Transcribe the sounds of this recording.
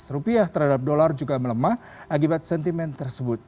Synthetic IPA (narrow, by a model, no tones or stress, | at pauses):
srupiaht̪ərɦadap̚dolard͡ʒuɡamələmah | ʔak̬ibat̪̚sɛnt̪imɛnt̪ərsəbʊt̪̚